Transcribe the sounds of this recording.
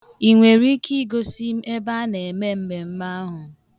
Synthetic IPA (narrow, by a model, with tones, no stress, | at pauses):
i˨ŋʷe˨ɾi˦kʰi˦ɡo˦si˦m̩˦ʔe˦ba˦ne˨e˨me˦m̩˦me˨m̩˦ma˦ɦʊ˨